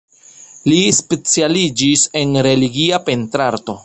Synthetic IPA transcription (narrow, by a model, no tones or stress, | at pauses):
lispe̞t͡sialid͡ʒise̞nɾe̞liɡiape̞ntɾaɾto̞